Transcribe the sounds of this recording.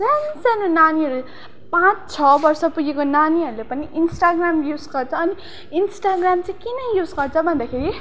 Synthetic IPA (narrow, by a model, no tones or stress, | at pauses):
d͡zʌnd͡zanonaniɦʌɾu | pãt͡sʰt͡sʰʌbʌrsʌpuɡekonaniɦʌɾulepʌniinsʈaɡramjud͡zɡʌrt͡sʰʌːni | insʈaɡramt͡sãĩkinʌjud͡zɡʌrt͡sʰʌbʱʌnd̪akʰeɾi